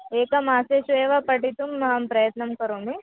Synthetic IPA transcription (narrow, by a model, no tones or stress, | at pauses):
eːkɐmaːseːʃueːʋɐpɐʈit̪umːɐɦɐmpɾɐjɐt̪nɐmkɐɾoːmi